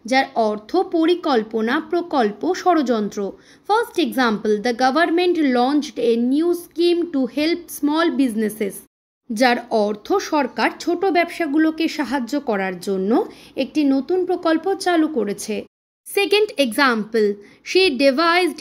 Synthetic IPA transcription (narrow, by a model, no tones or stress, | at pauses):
d͡ʑaɾɔɾt̪ʰopoɾikɔlponapɾokolpoʃɔɾod͡ʑɔnt̪ɾo | fɐɾsʈeɡzampəld̪əɡabʱaɾmeɳʈlɔnt͡ɕɖenjiuskimʈuhelp̚smɔlbid͡ʑneses | d͡ʑaɾɔɾt̪ʰoʃɔɾkaɾt͡ɕʰoʈobɛbʃaɡulokeʃaɦad͡ʑokɔɾaɾd͡ʑonːoek̚ʈinot̪unpɾokolpot͡ɕalukoɾet͡ɕʰe | sekeɳɖeɡzampəl | ʃiɖevʱajzɖ